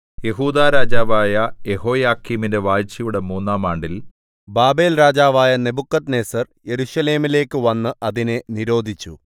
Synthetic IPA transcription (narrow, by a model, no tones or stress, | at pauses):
je̞ɦuːd̪aːɾaːd͡ʑaːʋaːjɐje̞ɦo̞ːjaːkːiːminde̞ʋaːjt͡ɕːɐjuɽe̞muːnːaːmaːɳɖil | baːbe̞ːlɾaːd͡ʑaːʋaːjɐne̞bukːɐt̪ne̞ːsɐr | je̞ɾuɕɐle̞ːmile̞ːkːɨʋɐnːɨʔɐðinɨniɾo̞ːd̪ʱit͡ɕːṵ